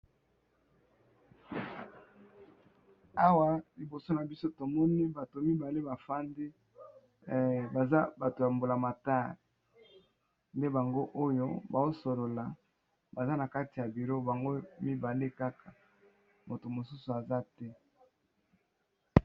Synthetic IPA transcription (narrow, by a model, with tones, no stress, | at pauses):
a˦wa˦li˨bo˨so˦na˨bi˦so˦to˨mɔ˦ni˦ba˨to˨mi˦ba˨le˦ba˨fa˦nde˦ | ba˨za˦ba˨to˨ja˨mbo˨la˨ma˨ta˦˨l | nde˦ba˨ŋɡo˦ʔo˦jo̰˦ba˨zo˦so˨lo˨la˨ | ba˨za˦na˨ka˦ti˨ja˨bi˨ɾo˦ba˨ŋɡo˦mi˦ba˨le˦ka˦kʰa˨ | mo˨to˨mo˨su˦su˨a˨za˦tɛ˦